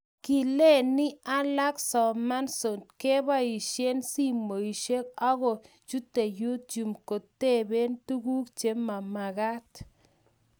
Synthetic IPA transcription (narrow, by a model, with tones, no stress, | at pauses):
ki˨le˦˨ni˦a˦la˦ksɔ˨ma˦nso˨nt̪̚ke˦ba˦i˨ʃe˦nsi˦mo˨i˨ʃe˦ka˦ɣo˨ | t͡ʃu˦t̪e˨ju˦t̪̚t͡ʃu˨mko˨t̪ːe˦˨be˦nt̪u˦ɡu˦k̚t͡ʃe˨˦ma˨ma˨ɣa˦t̪